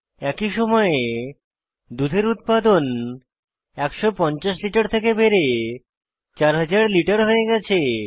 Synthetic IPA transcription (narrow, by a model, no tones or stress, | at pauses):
ɛkiʃɔmɔe | d̪ud̪ʱeɾut̪̚pad̪on | ɛkʃɔpɔnt͡ɕaʃliʈaɾt̪ʰekebeɾe | t͡ɕaɾɦad͡ʑaɾliʈaɾɦoeɡɛt͡ɕʰe